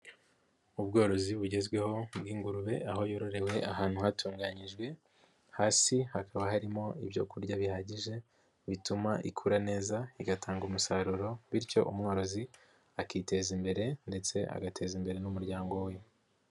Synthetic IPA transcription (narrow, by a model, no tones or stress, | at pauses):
ub̚ɡo̞ːɾo̞ziβuɟe̞zɡwe̞ho̞bɡiːŋɡuɾuβe̞aɦo̞jo̞ɾo̞ɾe̞we̞aɦaːn̥huhatʰuːŋɡaɲiʒɡwe̞ | haːsihakʰaβahaɾimo̞iβjo̞̰kuɾɟaβihaɟiʒe̞ | βitumaʔḭkʰuːɾane̞ːzaiɡatʰaːŋɡumusaɾuɾo̞βiɾco̞̰ʔumŋo̞ɾo̞zi | akiːte̞zimbe̞ɾe̞nde̞t͡se̞ʔa̰ɡatʰe̞zimbe̞ɾe̞numuɾɟaːŋɡo̞we